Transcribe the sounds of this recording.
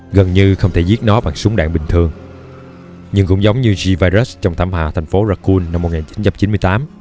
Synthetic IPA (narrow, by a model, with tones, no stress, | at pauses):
ɣə˨˩nɲɨ˧xə˧wŋ͡mt̪ʰe˧˩zi˦˥t̚nɔ˨˦ɓa̰ː˧˨ŋsʊ˨˦ŋ͡mɗa̰ː˧˨ŋɓï˨˩ŋ̟t̪ʰɨ˧əŋ | ɲɨ˧ŋkʊ̰˧˥ŋ͡mzə˨˦wŋ͡mɲɨ˧zi˧vaː˧jzə˦˥st͡ɕɔ˧wŋ͡mt̪ʰaː˧˩mhaː˨˩t̪ʰa˨˩jŋ̟fo˨˦zaː˧kːu˧nːa˧m̚ː˨˩ŋaː˨˩t͡ɕi˨˦nt͡ɕa˧mt͡ɕi˨˦nmɨ˧əjt̪aː˨˦m